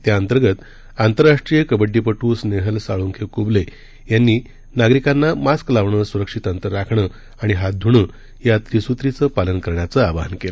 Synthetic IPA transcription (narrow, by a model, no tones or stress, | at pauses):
t̪jaənt̪əɾɡət̪ | ant̪əɾːaʂʈɾijəkəbəɖːipəʈusneɦəlsaɭunkʰekuble | janːiː | naɡɾikanːamasklaʋɳəsuɾəkʂit̪ənt̪əɾakʰɳə | aɽ̃iɦad̪ʱuɳə | jat̪ɾisut̪ɾit͡səpalənkəɾɳjat͡səabʱaɦənkelə